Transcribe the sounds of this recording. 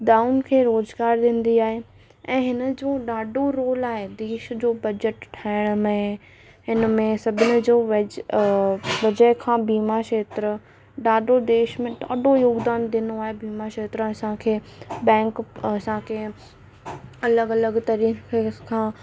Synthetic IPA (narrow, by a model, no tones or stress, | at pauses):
ɖaːʊnkʰeːɾoːzɡaːɾɗ̪ĩːn̆d̪iaːɦe | ɛ̃ːɦɪnə̆d͡ʑoːɗaːɖʱoɾoːlaːɦed̪eːʃd͡ʑoːbɐd͡ʑəʈʈʰaːɪɽ̃ʊmẽ | ɦɪnəmẽsɐbʱɪnɪ̆d͡ʑoːʋɐ | ʋɐd͡ʑəɪkʰãːbiːmaʃeːt̪ɾə | ɗaːɖod̪eːʃmẽɗaːɖojoːɡd̪aːnd̪ɪ̃ːnoaːɦebiːmaʃeːt̪ɾəɐsãkʰeːbɛ̃ːŋkɐsãkʰe | ɐləɡɐləɡt̪ɐɾiːekʰãː